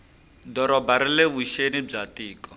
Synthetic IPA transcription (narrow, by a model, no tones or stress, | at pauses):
dɔɾɔbaɾileβuʃenib͡ʐatiːkɔ